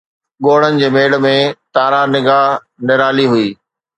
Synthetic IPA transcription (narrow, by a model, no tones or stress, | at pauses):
ɠoːɽ̤ənɪ̆d͡ʑeːmeːɽmẽt̪aːɾãnɪɡaːɦ | nɪɾaːliɦʊiː